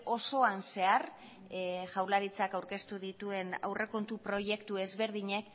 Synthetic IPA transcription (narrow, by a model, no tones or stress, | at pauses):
o̞so̞anse̞aɾ | ʝawlaɾit͡sakawɾke̞st̪uðit̪ue̞na̰wre̞ko̞nt̪upɾo̞je̞kt̪ue̞zβe̞ɾð̞iɲe̞k